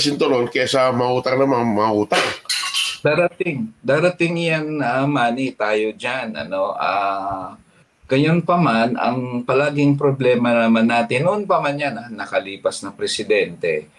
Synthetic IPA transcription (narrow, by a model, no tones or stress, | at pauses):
sɪnt̪olonkɛasɐmɐʔuːt̪aŋnɐmamɐaʔuːt̪aŋd̪aːɾɐt̪ɪŋd̪aːɾɐt̪ɪŋjaŋɐmaːnɪt̪aːjo̞d͡ʒanɐ̰no̞ʔaː | ɡ̥ɐjonpɐmanɐ̰ŋpɐlaːɡɪŋp̬ɾoblɛːmɐnɐmanːaːt̪ɪnːoʔonpɐmɐnjananːɐkɐliːpɐsnɐŋpɾɛsɪd̪ɛnt̪ɛ̰